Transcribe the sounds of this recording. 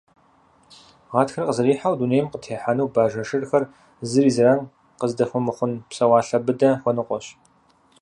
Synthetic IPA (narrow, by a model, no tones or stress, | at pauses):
ʁɑːtxɐrqəzɨriːħawduːneːjmqətʰeːħanɐwbaːʒɐʂɨrxɐr | zɨriːzrɐn | qəzdɐxʷɔmɨχʷʊnpsɐwɑːɬɐbɨdɐxʷɔnɨqʷɔɕ